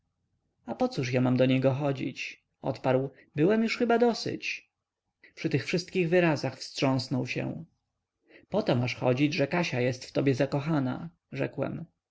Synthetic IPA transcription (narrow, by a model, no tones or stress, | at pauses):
apɔt̪suʂjamamd̪ɔɲɛɡɔxɔd͡ʑḭt͡ɕ | ɔ̰t̪paɾw | bɘwɛmjuʂxɘbad̪ɔsɘ̰t͡ɕ | pʂɘt̪ɘxfʂɘst̪̚kʲiɣvɘɾazaxfstʂɔ̃w̃snɔwɕɛ̰w̃ | pɔt̪ɔmaʂxɔ̰d͡ʑid͡ʑʐɛkaɕajɛst̪ft̪ɔbʲjɛzakɔxana̰ | ʐɛ̰kwɛ̰m